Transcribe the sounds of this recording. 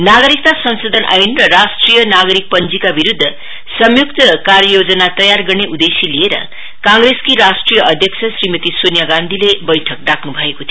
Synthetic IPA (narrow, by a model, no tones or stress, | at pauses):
naɡʌɾik̚t̪asʌnsod̪ʱʌnʔa̰jnrʌrasʈrijʌnaɡʌɾik̚pʌnd͡zikabiɾud̪ʱːʌ | sʌmjukt̪ʌkarjʌjod͡zʌnat̪ʌjarɡʌrneʔud̪esilieɾʌ̰ | kãŋɡreskiɾasʈrijʌʔʌd̪ʱjʌksʰʌsrimʌt̪isonjaɡãnd̪ʱilebʌjʈʰʌk̚ɖakʰnubʱʌekot̪ʰi